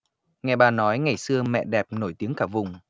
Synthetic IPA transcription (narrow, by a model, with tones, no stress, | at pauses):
ŋɛ˨˩ɓaː˨˩nɔ˨˦jŋa˨˩jsɨ˧əmɛ̰˧˨ɗɛ˨˩p̚no˧˩jt̪i˨˦əŋkaː˧˩vʊ˨˩ŋ͡m